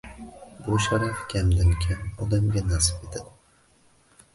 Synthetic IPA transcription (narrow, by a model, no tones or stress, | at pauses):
bʊʃaɾakʲamd̪ɪŋkʲʰamɒd̪amɡʲanasɨ̥pet̪ʰad̪ɪ